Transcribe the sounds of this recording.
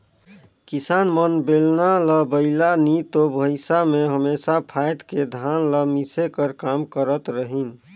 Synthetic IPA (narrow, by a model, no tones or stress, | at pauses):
kisanmənbelnaləbəɪlanit̪obʱəɪsameɦəmesapʰajd̪ked̪ʱanləmisekəɾkamkəɾət̪ɾəɦin